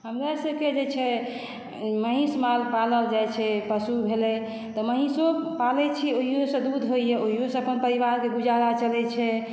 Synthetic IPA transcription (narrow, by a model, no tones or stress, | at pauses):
ɦəmɾasəbked͡ʒet͡ʃʰɛ | məɦĩsmalpaləbd͡ʒajt͡ʃʰɛpəsubʱelɛ | t̪ɔməɦĩsopalɛt͡ʃʰioɦijosə̃d̪ud̪ʱɦoijeoɦijosə̃əpənpəɾiʋaɾkeɡud͡ʒaɾat͡ʃəlɛt͡ʃʰɛ